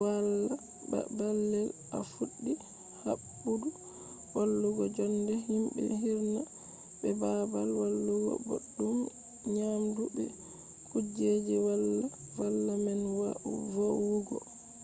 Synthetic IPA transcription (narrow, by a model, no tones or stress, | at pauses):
walːa | ba̰balːɛl | a̰fuɗːi | habːudu | walːuɡɔd͡ʒɔndɛɦimbɛ̰ɦiɾna | bɛbabalwalːuɡɔ̰bo̰ɗːum | ɲamdubɛ | kud͡ʒed͡ʒiwalːa | walːamɛnwavowuɡɔ̰